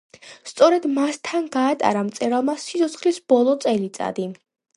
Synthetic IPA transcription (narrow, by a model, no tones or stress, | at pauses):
st̪sʼɔɾɛd̪mast̪ʰanɡaːt̪ʼa̰ɾamt̪sʼɛɾalˠmasit̪ʰɔt̪sʰχlisb̥ɔlˠɔt̪sʼɛlit̪sʼa̰d̪i